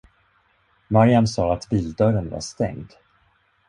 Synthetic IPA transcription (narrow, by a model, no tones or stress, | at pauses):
maɾjamsɑːat̪biːld̪œɾənva̰ʂt̪ɛ̰ŋd̪